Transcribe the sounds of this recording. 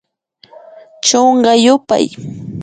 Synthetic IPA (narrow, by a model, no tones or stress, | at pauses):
t͡ʃoɴɢɑjʊpa̰j